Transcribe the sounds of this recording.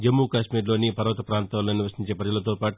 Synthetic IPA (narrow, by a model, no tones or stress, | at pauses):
d͡ʒɐmːukaːʃmiːɾloːnipɐɾɐʋɐt̪ɐpɾaːnt̪aːloːniʋɐɾʃiɲt͡ʃeːpɾɐd͡ʒɐlɐt̪̬oːpaːʈu